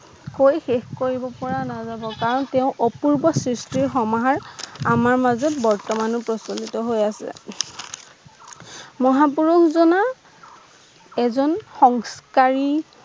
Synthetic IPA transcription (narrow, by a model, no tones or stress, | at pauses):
kojxexkoɹibɔpɔɹanazabɔkaɹɔntɛʊ̃ʔɔpuɹbɔsɹistiɹxɔmaɦaɹamaɹmazɔtbɔɹtɔmanupɹɔsonitɔɦojasɛ̰ | mɔɦapuɹuxzɔna | ɛzɔnxɔŋskaɹi